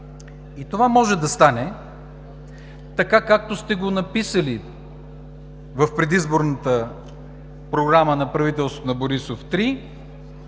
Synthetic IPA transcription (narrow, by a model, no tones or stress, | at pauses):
it̪ovamɔʒɛd̪ɐst̪anɛ | t̪ɐkakak̚t̪ost̪ɛɡonɐpisəli | vəfpɾɛd̪izboɾnət̪ə | pɾoɡɾamənɐpɾɐvit̪ɛlˠsvot̪onɐboɾisoft̪ɾi